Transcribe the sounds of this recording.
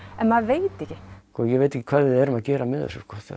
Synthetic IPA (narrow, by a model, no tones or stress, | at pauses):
ɛnmaðveːjt̪ɛhcɪkɔːjɛɣejt̪ehcːɪkʰv̥aːðvɪðɛɾʏmaðcɛːɾamɛðɛ̰sːɔskɔːθa̰